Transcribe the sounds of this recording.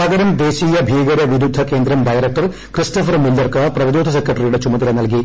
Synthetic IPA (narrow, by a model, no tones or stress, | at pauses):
aːɡɐɾɐmd̪e̞ːɕiːjɐbʱiːɡɐɾɐʋiɾud̪ʱːɐke̞ːnd̪ɾɐmɖɐjɾɐk̚ʈɐr | kristofɐrmilːɐrkɨprɐʋɐd̪oːd̪ʱɐs̬ekrɐʈːɐrijuɽet͡ɕumɐðɐlenɐlk̬i